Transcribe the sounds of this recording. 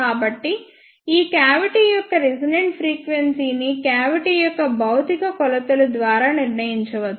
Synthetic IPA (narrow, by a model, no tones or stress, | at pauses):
aːbɐʈːi | iːkjaːʋiʈijɔkːɐɾid͡ʒineɳʈpʰɾiːkʋensiːnikjaːʋiʈijɔkːɐbɐwt̪ikɐkɔlɐt̪ulɐd̪ʋaːɾaːniɾnɐjiɲt͡ʃɐʋɐd̪u